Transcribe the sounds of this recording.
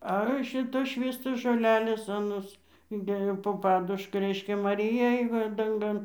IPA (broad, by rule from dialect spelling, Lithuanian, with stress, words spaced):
ˈɐ ˈʃʲɪtoːs ˈʃʲʋʲiːstoːs ʒoːˈlʲæːlʲeːs ɐˈnoːs ɪnʲˈdʲeːjoː poː ˈpɑːdʊʃkɐ ˈrʲɛɪʃʲkʲɛ mɐˈrʲɪjɛ ˈeːj ʋɐ dɐŋˈɡɐn